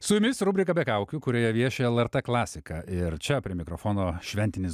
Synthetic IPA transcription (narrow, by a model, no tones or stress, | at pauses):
sʊjʊmʲɪsɾʊbʲɾʲɪkɐbʲɛkɐʊkʲukʊɾʲoːjɛʋʲiɛʃʲɛɛlˠɛɾt̪ɛklˠɑːsʲɪkɐʔɪɾt͡ʃʲɛpʲɾʲiɛmʲɪkɾofoːnoːʃʲʋʲɛnʲt̪ʲɪnʲɪs